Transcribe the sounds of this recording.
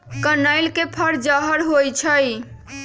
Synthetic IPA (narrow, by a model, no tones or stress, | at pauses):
kənəjlkepʰəɾd͡ʒəɦəɾɦojt͡ʃʰəj